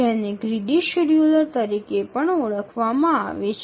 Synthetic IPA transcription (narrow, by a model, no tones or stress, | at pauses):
ɛneɡɾiɖiʃuɾjuləɾt̪əɾikepəɳoɭəkʰʋamãa̰ʋet͡ʃʰ